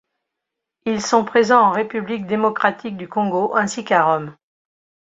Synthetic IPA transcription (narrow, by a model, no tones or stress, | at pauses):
ilsɔ̃pχezɑ̃ɑ̃ʁepyblik̚d̪emɔkχat̪ʰik̚d̪ykɔ̃ɡoʔɛ̃sikaʁɔm